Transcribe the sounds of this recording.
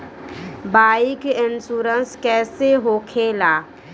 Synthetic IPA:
baːɪkɪnsuːɾənskɛːseɦoːkʰeːlaː

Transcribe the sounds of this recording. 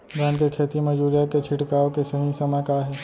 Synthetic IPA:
ɡaːnkekʰeːt̪imɐd͡ʒuːɾijaket͡ʃʰɪʈkaːõkesɐɦĩsɐməjkaɦɛː

